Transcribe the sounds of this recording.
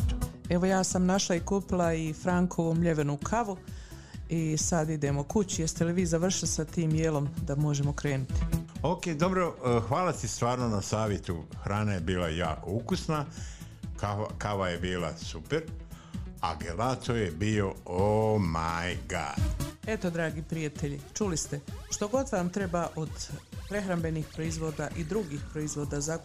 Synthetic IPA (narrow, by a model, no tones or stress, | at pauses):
e̞ʋo̞jaːsamnaʃlˠaikuːpilˠaifɾaːŋkʰo̞ʋoːmʎe̞ʋe̞nukʰaʋu | isad̪id̪eːmokut͡ɕujest̪eliʋiːzaʋr̩ʃilisat̪iːmjeːlo̞md̪amo̞ʒe̞mo̞kɾe̞ːnut̪i̥okeːd̪o̞bɾoxʋaːlat̪ist̪ʋaːɾnonasaːʋjet̪uxɾaːnejebiːla̰jaːko̞ukusna | kakaʋaje̞biːla̰supeɾ | a̰ɡelat̪ojebio̞omajɡa̰e̞t̪o̞d̪ɾaːɡipɾijat̪eʎit͡ʃulist̪e̞ʃt̪o̞ɡo̞t̪ʋamt̪ɾe̞baʔod̪pɾe̞xɾambe̞nixpɾoizʋo̞d̪aʔid̪ɾuɡixpɾo̞izʋo̞ːd̪aza